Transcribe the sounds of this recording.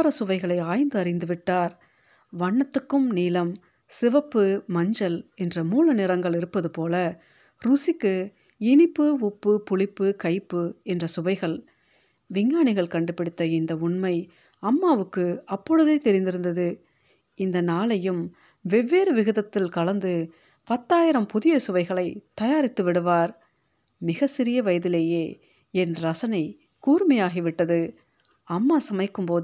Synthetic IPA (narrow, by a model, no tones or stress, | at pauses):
ɾɐsʊʋɐɪɣɐɭɐɪaːjnd̪ɯɐɾɪnd̪ɯʋɪʈːaːɾ | ʋɐɳːɐt̪ːɯkːɯmniːlɐm | sɪʋɐpːɯmɐɲd͡ʒɐlɛndrɐmuːlɐnɪɾɐŋɡɐɭɪɾɯpːɐðɯpoːlɐ | ɾʊsɪkːɯ | ɪɳɪpːɯʊpːɯpʊɭɪpːɯkɐɪpːɯɛndrɐsʊʋɐɪɣɐɭ | ʋɪŋɡaːɳɪɣɐɭkɐɳɖɯpːɪɽɪt̪ːɐɪnd̪ɐʊɳmɐɪ | ɐmːaːʋɯkːɯɐpːɔɻɯðeːt̪ɛɾɪnd̪ɪɾɯnd̪ɐðɯ | ɪnd̪ɐnaːlɐjɯm | ʋɛʋːeːɾɯʋɪɣɐðɐt̪ːɪlkɐlɐnd̪ɯ | pɐt̪ːaːjɪɾɐmpʊðɪjɐsʊʋɐɪɣɐɭɐɪt̪ɐjaːɾɪt̪ːɯʋɪɽɯʋaːɾ | mɪɣɐsɪɾɪjɐʋɐjɐðɪleːjeː | ɛndrɐɾɐsɐnɐɪ | kuːɾmɐjaːɣiʋɪʈːɐðɯ | ɐmːaːsɐmɐɪkːɯmpoː